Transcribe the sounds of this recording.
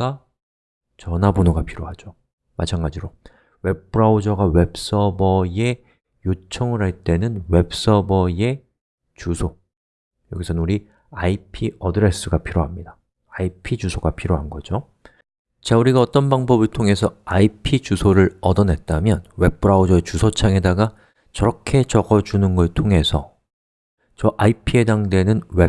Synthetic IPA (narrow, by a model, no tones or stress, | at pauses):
a | t͡ɕʌnabonoɡapʰiɾjoɦad͡ʑo | ma̰t͡ɕʰanɡad͡ʑiɾo | we̞p̚p͈ʰɯɾaud͡ʑʌɡawe̞p̚s͈ʌbʌje̞ | jot͡ɕʰʌŋɯɾɦaɭt͈e̞nɯnwe̞p̚s͈ʌbʌje̞ | t͡ɕusʰo | jʌɡisʰʌnuɾi | aipʰiʌdɯɾe̞s͈ʰɯɡapʰiɾoɦamɲidaː | ipʰid͡ʑusʰoɡapʰiɾjoɦanɡʌd͡ʑo | t͡ɕauɾiɡaʌt͈ʌnbaŋbʌbɯɭtʰoŋe̞sʰʌaipʰit͡ɕusʰoɾɯɾʌdʌnɦe̞t̚t͈amjʌnwe̞p̚p͈ʰɯɾaud͡ʑʌet͡ɕusʰot͡ɕʰaŋe̞daɡa | t͡ɕʌɾʌkʰe̞t͡ɕʌɡʌd͡ʑunɯnɡʌɭtʰoŋe̞sʰʌ | t͡ɕʌʔaipʰie̞daŋdwe̞nɯnwe